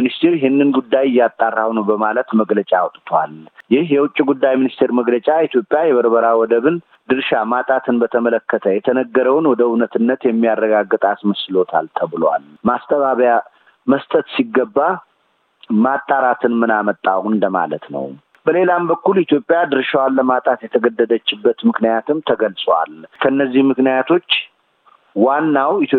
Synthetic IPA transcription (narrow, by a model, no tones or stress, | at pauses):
nist̪ʰeɾjɪhɪnːɨnɡud̪ːajɪjːat̪ʼːarːawnəwbəmalət̪məɡlət͡ʃʼawɔt̪ʼt̪ʰwa̰ljɪhjɛwʊt͡ʃʼːiɡud̪ːajminist̪ʰe̞ɾməɡlət͡ʃʼait̪ʰjo̞pʼːjajɛβəɾbəɾawɔd̪əβɨn | d̪ɨɾʃamat̪ʼat̪ʰɨnbət̪ʰəmələkːət̪ʰəjɛt̪ʰənəɡːəɾəwnwɔd̪əunət̪ʰɨnːət̪jɛmːijarːəɡaɡːɨt̪ʼasməsɨlo̞t̪ʰa̰lt̪ʰəβɨlwa̰lmast̪ʼəβaβja | məst̪ʼət̪siɡːəbːa | mat̪ʼːaɾat̪ʰɨnmɨnamət̪ʼːahʊnd̪əma̰lə̰t̪nə̰w | bəle̞lambəkːulit̪ʰjo̞pʼːjad̪ɨɾʃawalːəmat̪ʼat̪jɛt̪ʰəɡəd̪ːəd̪ət͡ʃːɪbːət̪mɨknijat̪ʰɨmt̪ʰəɡəlsʼwa̰lkʰəɨnːəzːihmɨknijat̪ʰo̞t͡ʃː | wanːawit̪o